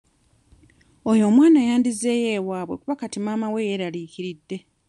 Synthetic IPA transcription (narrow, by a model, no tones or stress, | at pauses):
o̞jo̞ːmwaːnajaːndizːe̞je̞ːwaːβwe̞̰kuβakatimaːmawe̞jeɾaliːciɾidːe̞